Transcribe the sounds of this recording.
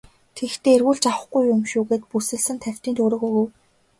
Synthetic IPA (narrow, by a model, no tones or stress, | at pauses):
t̪ʰext̪eːerɣuːɮt͡ɕawə̆χɡujʊmʃuːɣeːt̪̚pusɘ̆ɮsɘ̆nt̪ʰæw̥ʲt̪iːnt̪ʰɵːɾoːɣoɣuw